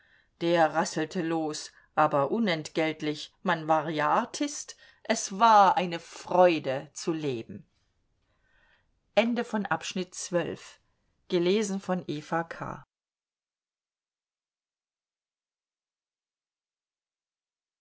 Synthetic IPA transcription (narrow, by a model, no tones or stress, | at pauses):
d̥eːɐʁasl̩tʰəloːs | ʔaːbɐʔʊnɛntɡ̥ɛltlɪçmanvaːʁjaʔaɐtʰɪst | ʔɛsv̥aːɐʔaɪnəfʁ̥ɔʏdət͡suleːbm̩ | ʔɛndəfɔnʔapʃnɪtt͡sv̥œlf | ɡ̥əleːzn̩fɔnʔeːfakʰa̰ː